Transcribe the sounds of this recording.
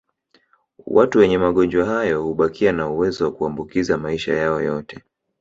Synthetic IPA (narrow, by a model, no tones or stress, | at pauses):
wʔatuwɛɲɛmaɠɔnd͡ʒwahajɔhuɓakʰianauwɛzɔwakuambukizamaiʃa̰jaɔjɔtɛ